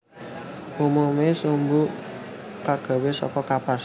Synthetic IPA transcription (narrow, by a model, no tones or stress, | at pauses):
umumesumbu | kaɡ̥a̤wesɔ̰kɔkapas